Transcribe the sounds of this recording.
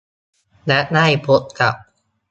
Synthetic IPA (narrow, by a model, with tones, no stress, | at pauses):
lɛ˦˥ʔna˥˩jpʰo˦˥t̪̚ka˨˩p̚